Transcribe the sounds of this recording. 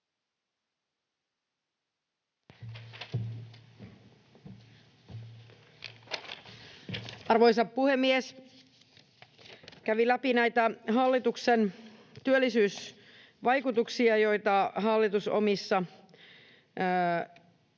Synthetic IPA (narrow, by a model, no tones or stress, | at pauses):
ɑrʋojsɑppuhemːies | kæʋilæpinæjt̪æɦɑlːit̪uksent̪yølːisyːs | ʋɑjkut̪uksiɑjo̞jt̪ɑɦɑlːit̪uso̰misːɑ